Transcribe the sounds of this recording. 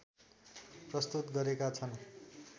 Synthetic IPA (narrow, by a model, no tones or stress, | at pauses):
prʌst̪ut̪ɡʌɾekat͡sʰʌn